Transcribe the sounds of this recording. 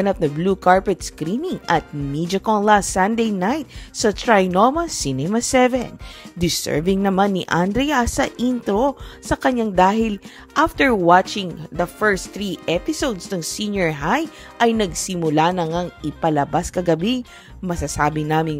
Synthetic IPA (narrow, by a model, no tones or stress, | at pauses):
nap̚nɐbluːkaɹpɛt̪skɾinɪŋʔɐt̪̚mid͡ʒɐkonlastːɐnd̪ejnajt̪̚sɐt̪ɹajnomɐsinɛmɐsɛvɛ̰nd̪ɪsɛ̰ɹvɪŋnɐmanːiʔand̪ɾɛjasɐʔint̪ɾosɐkɐɲaŋd̪aːhɪl | ʔaft̪ɛɹwat͡ʃɪ̃ŋd̪ɐfɛɹst̪θɾiːʔɛpɪsowd̪snɐŋsinjoɹɦaj | ʔɐjnɐɡsɪmʊlanɐŋaŋɪpɐlɐbaskɐɡɐbi | mɐsɐsaːbɪnaːmɪŋ